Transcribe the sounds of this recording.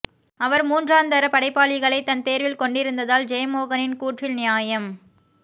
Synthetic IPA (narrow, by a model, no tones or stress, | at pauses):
ɐʋɐɾmuːndraːnd̪ɐɾɐpɐɽɐɪpːaːlɪɣɐɭɐɪt̪ːɐnt̪eːɾʋɪlkɔɳɖɪɾɯnd̪ɐðaːld͡ʒejmoːɣɐnɪnkuːʈrɪlnɪjaːjɐm